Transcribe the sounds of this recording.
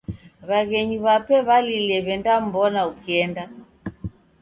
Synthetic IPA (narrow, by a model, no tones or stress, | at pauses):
βaɣɛɲiβapɛβalilɛβɛndam̩bɔnaukiɛnda